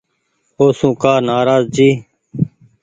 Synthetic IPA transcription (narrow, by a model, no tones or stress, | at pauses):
oːsũːkaːɾnaːɾaːzd͡ʒiː